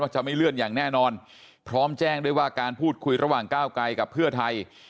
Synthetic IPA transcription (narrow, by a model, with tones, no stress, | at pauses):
waː˥˩t͡ɕa˨˩ʔma˥˩jlɯ˥˩ənjaː˨˩ŋnɛː˥˩nɔː˧n | pʰɾɔː˦˥mt͡ɕɛː˥˩ŋdu˥˩əjwaː˥˩kaː˧npʰuː˥˩t̪̚kʰu˧jɾʔa˧waː˨˩ŋkaː˥˩wkla˧jka˨˩pʰːɯ˥˩ɐt̪ʰa˧j